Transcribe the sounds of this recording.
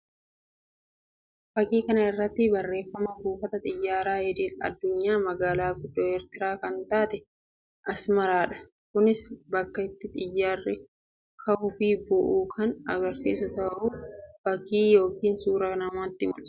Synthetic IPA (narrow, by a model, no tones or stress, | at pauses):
fɐkiːkɐnɐɪrːɐt̪ːɪbɐrːe̞ːfːɐmɐbuːfɐt̪ɐt̪ʼɪjːaːɾaːjɛd̪iːlɐ̰d̪ːʊɲːaːmɐɡaːlaːɡʊd̪ːoːɛɾt̪ɪɾaːkɐnt̪aːt̪ɛ | ʔɐsmɐɾaːᶑɐ̥ | kʊnɪsbɐkːɐɪt̪ːɪt̪ʼɪjːaːrːɪ | kʰɐhʊfiːbɔʔuːkʰɐnɐ̰ɡɐɾsḭːsʊt̪ɐʔuːfɐkiːjo̞ːkiːnsuːɾɐnɐmaːt̪ːɪmʊ̰l̥